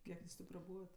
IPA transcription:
ˈkʲiɛk juːs ˈtʲeː prɐˈbuːʋɐt

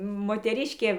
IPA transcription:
moːtʲɛˈrʲɪʃʲkʲeː

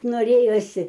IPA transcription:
noːˈrʲeːjoːsʲɪ

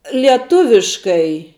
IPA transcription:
lʲiɛˈtʊʋʲɪʃkɐɪ

